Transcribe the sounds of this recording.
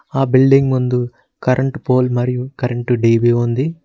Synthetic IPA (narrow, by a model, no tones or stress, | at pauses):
aːbilɖiŋɡmund̪u | kɐɾʔɐɳʈpoːlmɐɾijukɐɾɐɳʈuɖiːbiːund̪i